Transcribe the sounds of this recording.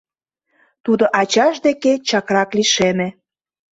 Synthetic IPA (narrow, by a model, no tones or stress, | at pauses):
t̪ud̪oʔɑt͡ɕɑʃd̪eket͡ɕɑkrɑkliʃemĕ